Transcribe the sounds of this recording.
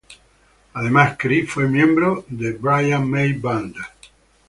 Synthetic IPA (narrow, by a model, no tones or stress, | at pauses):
aðemaskɾifwemjẽmbɾoðebɾajaŋmejband̪a